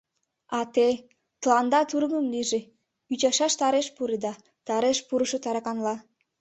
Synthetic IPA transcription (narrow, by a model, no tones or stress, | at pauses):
ɑt̪e | t̪əlɑnd̪ɑt̪uɾɣəmliʒe | yt͡ɕɑʃɑʃt̪ɑɾeʃpuɾed̪ɑ | t̪ɑɾeʃpuɾəʃot̪ɑɾɑkɑnlɑ